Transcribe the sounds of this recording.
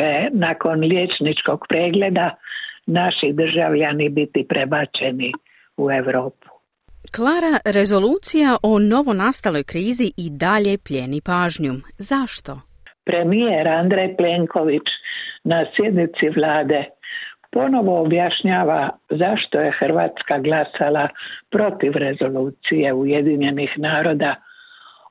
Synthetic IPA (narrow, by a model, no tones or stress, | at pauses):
enako̞nljet͡ʃnit͡ʃko̞ɡ̥pɾeːɡle̞d̪anaʃid̪r̩ʒaʋʎanibit̪ipɾebat͡ʃe̞ni | ue̞ʋɾo̞ːpu̥ | klˠaːɾaɾe̞zo̞luːt̪sijaʔo̞no̞ʋo̞nast̪alo̞jkɾiːziʔid̪aʎe̞pʎe̞nipaːʒɲumzaʃt̪o̞ | pɾe̞mijeɾand̪ɾejpleŋko̞ʋit͡ʃnasje̞d̪nit̪siʋlaːd̪epo̞no̞ʋo̞ːbjaʃɲaːʋazaʃt̪o̞je̞xr̩ʋa̰ːt̪skaɡlasalapɾo̞t̪iʋɾe̞zo̞luːt̪sije̞ujed̪iɲe̞nixnaːɾo̞d̪a